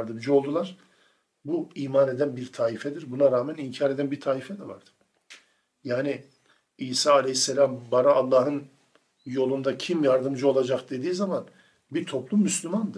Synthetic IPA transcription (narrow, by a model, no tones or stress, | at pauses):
ɾd̪ɯmd͡ʒɯo̞lˠd̪ulˠaɾ̥ | buiːmane̞d̪ænbiɾt̪ʰaːifɛd̪iɾbunaɾaːmæniɲcʰaːɾed̪ænbiɾt̪ʰaːifɛd̪ɛva̰ɾd̪̥ɯ̥ | jaːni | iːsaːalʲɛhisːelʲambaɾaːlˠːaːɦɯn | jo̞lˠund̪acʰimjaɾd̪ɯmd͡ʒɯo̞lˠad͡ʒakd̪e̞d̪iːzaman | biɾt̪ʰo̞plˠumːyslʲymand̪ɯɾ̥